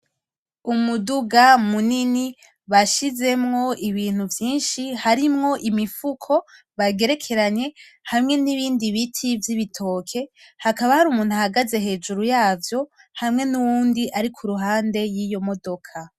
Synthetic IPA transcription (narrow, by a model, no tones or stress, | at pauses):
umuduɡamunini | βaʃize̞mŋo̞iβiːn̥huvjiːnʃihaɾimŋo̞ʔimifukʰo̞ | βaɡe̞ɾe̞kʰe̞ɾaɲe̞ | hamŋe̞niβiːndiβitʰivjiβitʰo̞ːkʰe̞ | hakaβahaɾuːmuːn̥huhaɡaze̞ɦe̞ːd͡ʒuɾujaːvjo̞ | hamŋe̞nuwuːndiʔaɾikʰuɾuɦaːnde̞jijo̞mo̞do̞kʰa